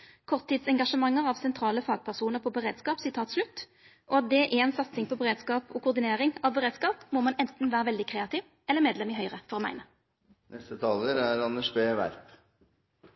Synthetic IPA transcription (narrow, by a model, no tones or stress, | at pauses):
kʰɔʁt̪ʰːɪd̪sɛŋɡɑʂəmɑŋːəʁɑʋsɛnt̪ʰɾɑːləfɑːɡ̚pʰæʁsuːnəʁpʰɔbəʁeːd̪skɑːpsɪt̪ʰɑːt̪slʉt̪ː | ʔɔɑt̪̚d̪ɛʔɛɛnsɑt̪sɪŋpʰɔbəʁeːd̪skɑːpʰɔkʊʁd̪ɪneːʁɪŋɑʋbəʁeːd̪skɑːpmɔmɑnɛnt̪n̩ʋæːʁəʋɛld̪ɪkʰʁeːɑt̪ɪːʋ | ɛlːəʁmeːd̪lɛmɪɦœʏʁəfɔʁɔmæ̰ɪnə | nʔɛst̪ət̪ʰɑːləɾæɾɑnəʂbeːʋæ̰ɾp